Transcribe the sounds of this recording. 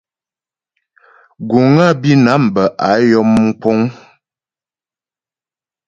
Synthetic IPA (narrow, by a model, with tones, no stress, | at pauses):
ɡu˨ŋa˦˨bi˦na˨˦m̩˨bə˨ʔa˨˦jɔ˦mŋ̩˦k͡po˦ŋ